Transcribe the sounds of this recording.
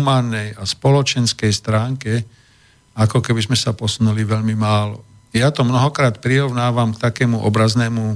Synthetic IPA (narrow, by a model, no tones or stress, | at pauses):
maːnːɛjaspɔlɔt͡ʃɛnskɛjst̪ɾaːŋkɛ | akɔkɛbizmɛsapɔsunuliʋɛʎmimaːlɔ | jat̪ɔmnɔɦɔkɾaːt̪pɾiɾɔʊnaːʋamkt̪akɛːmuʔɔbɾaznɛːmu